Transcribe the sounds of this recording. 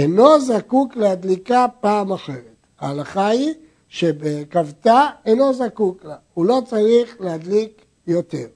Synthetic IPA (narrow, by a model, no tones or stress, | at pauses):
eno̞zakuklehad̪likapaːmaχe̞ʁet̪ | a̰ːlaχai | ʃebekavtaeno̞zakuklaulo̞t͡saʁiχlead̪lik | jo̞t̪eʁ